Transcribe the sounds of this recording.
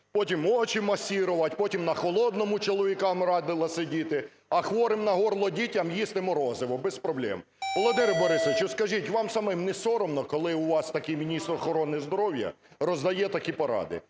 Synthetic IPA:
pɔtʲimɔt͡ʃimɐsʲiɾʊʋɐtʲpɔtʲimnɐxɔlˠɔd̪nɔmʊt͡ʃɔlˠɔʋʲikɑmɾɑd̪ɪlˠɐsedʲit̪ɪ | ɐxʋɔɾɪmnɐɦɔrlˠɔdʲitʲɐmjist̪ɪmɔɾɔzɪʋɔbɛspɾɔblʲɛ̰m | ʋɔlˠɔd̪ɪɾɪbɔɾɪsɔʋɪt͡ʃʊskɐʒitʲʋɑmsɐmɪmnɛsɔɾɔmnɔkɔlˠɪuʋɑst̪ɐkɪjmʲinʲist̪rɔxɔɾɔnɪzd̪ɔɾɔwjɐ̰ | rɔzd̪ɐjɛt̪ɐkʲipɐɾɑ̰d̪ɪ̰

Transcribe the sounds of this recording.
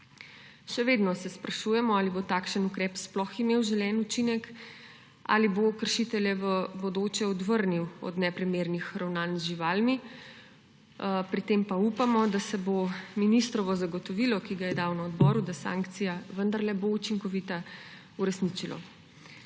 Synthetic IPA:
ʃɛʋeːd̪nɔsɛspɾaʃujɛmɔaːlibot̪aːkʃənukɾɛːpsplɔximewʒɛlɛnut͡ʃinɛk | a̰libokəɾʃit̪ɛljɛʋəbɔd̪oːt͡ʃɛɔd̪ʋəɾniwɔ̰d̪nɛpɾimeːɾnixɾawnaːnzʒiʋaːlmi | pɾit̪eːmpaupamɔd̪asɛbominist̪ɾɔʋɔzaɡɔt̪ɔʋilɔkiɡajɛd̪awnaɔd̪bɔːɾud̪asã̰ːŋkt̪sijaʋənd̪aɾlɛbout͡ʃiŋkɔʋit̪a | uɾɛsnit͡ʃilɔ̰

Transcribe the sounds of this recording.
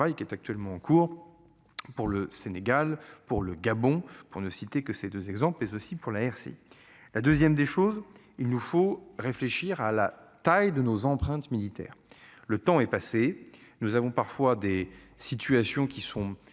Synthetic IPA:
ajkʲiɛt̪ak̚t̪ɥɛlmɑ̃ɑ̃kʰuʁ | puʁləseneɡalpuʁləɡabɔ̃puʁnəsit̪ekəsed̪øzɛɡzɑ̃plmɛzosipuʁlaɛʁsḛ | lad̪øzjɛmd̪eʃoz | ilnufoʁefleʃiʁalat̪ajd̪ənozɑ̃pχɛ̃t̪milit̪ɛ̰ːʁlət̪ɑ̃ɛpasenuzavɔ̃paʁfwad̪e | sit̪yasjɔ̃kʲisɔ̃

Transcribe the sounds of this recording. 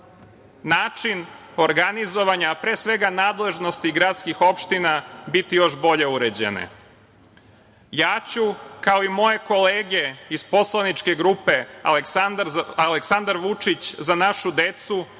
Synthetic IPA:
naːt͡ʃin | o̞ɾɡanizo̞ʋaɲapɾe̞ːsʋe̞ɡanaːd̪le̞ʒno̞st̪iɡɾad̪skixo̞pʃt̪inabit̪ijo̞ʃbo̞ʎe̞uɾed͡ʑe̞̰nḛ | jaːt͡ɕukao̞imo̞je̞ko̞leːɡe̞izpo̞slˠanit͡ʃke̞ɡɾuːpe̞al | aleksand̪aɾʋut͡ʂit͡ɕzanaʃud̪e̞t̪su

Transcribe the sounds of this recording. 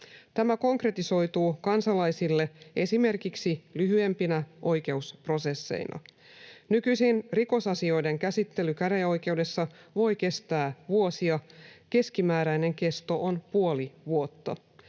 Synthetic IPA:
t̪æmæko̞ŋkre̞t̪iso̞jt̪uːkɑnsɑlɑjsilːe̞ʔe̞sime̞rkiksilyɦyempinæʔo̞jke̞uspro̞se̞sːe̞̰ḭnʔɑ̰ | nykyjsinriko̞sɑsio̞jde̞ŋkæsit̪ːe̞lykæɾeo̞jk̟e̞ude̞sːɑʋo̞jke̞st̪æːʋuosiɑke̞skimæːɾæjne̞ŋke̞st̪o̞ʔonpuo̞liʋuo̞t̪ːɑ

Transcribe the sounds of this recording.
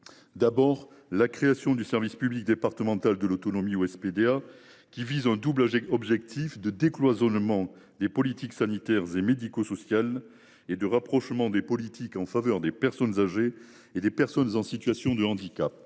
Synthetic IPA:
d̪abɔʁ | lakχeasjɔ̃d̪ysɛʁvispyblik̚d̪epaʁt̪əmɑ̃t̪ald̪əlot̪ɔnɔmioɛsped̪ea | kʲivizɛ̃d̪ublɔbʒɛk̚t̪ʰifd̪əd̪eklwazɔnmɑ̃ | d̪epɔlit̪iksanit̪ɛʁzemed̪ikosɔsjal | ed̪əʁapχɔʃmɑ̃d̪epɔlit̪ʰikɑ̃favœʁd̪epɛʁsɔnzaʒe | ed̪epɛʁsɔnzɑ̃sit̪ɥasjɔ̃d̪əɑ̃d̪ikap̚

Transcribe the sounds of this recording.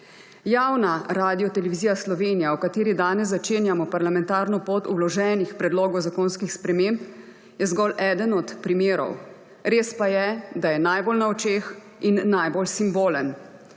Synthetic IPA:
jawnaɾaːd̪ijɔt̪ɛlɛʋizijaslɔʋeːnijawkat̪eːɾid̪aːnɛszat͡ʃeːnjamɔpaɾlamɛ̃nt̪aːɾnɔpoːt̪ṵlɔʒɛːnixpɾɛd̪loːɡɔwzakoːnskixspɾɛmemp | jɛzɡɔlʔɛːd̪ənɔt̪pɾimeːɾɔ̰w | ɾeːspajɛd̪ajɛnajbolnaɔt͡ʃeːx | inːajbolsimboːlən

